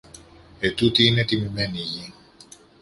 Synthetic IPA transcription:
e̞t̪ut̪iine̞t̪imime̞niʝi

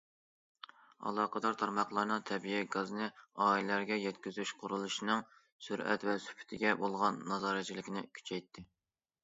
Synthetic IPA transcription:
ɑ̰lˠɑːqʰəd̪ɑɾt̪ʰɑɾmɑχlˠɑɾnɨŋt̪ʰɛbijɛɡɑznɨɑːillæɾɡʲɛjɛt̪kʲyzyʃqʰʊɾulˠuʃinɨŋ | syɾɛ̰t̪vɛsy̥pʰy̥t̪ʰɪɡʲɛbolˠʁɑnːɑzɑːɾɛt͡ʃʰilɪkʲnɪkʲʰy̥t͡ʃʰɛjt̪ʰːɪ

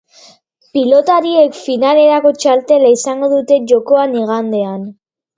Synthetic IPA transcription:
pilo̞t̪aɾie̞kfinale̞ɾako̞t͡ʃalt̪e̞laisaŋɡo̞ðut̪e̞ʝo̞ko̞aniɣ̞and̪e̞an

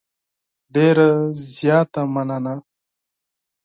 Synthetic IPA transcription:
ɖeːɾazjɑːt̪amanana

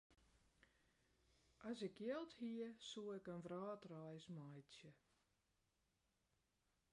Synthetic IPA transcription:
ʔasɪkjəlˠthiəsuɛkənʋrɑːtrajsmajsjə

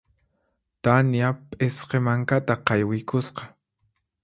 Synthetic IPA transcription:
t̪anjapʼesqemaŋkat̪aqɑjwɪjkʊsqɑ̥

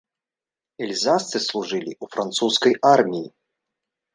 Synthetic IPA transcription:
ɛlʲzast̪sɨslˠuʐɨlʲḭufɾant̪suskɐjarmʲiji

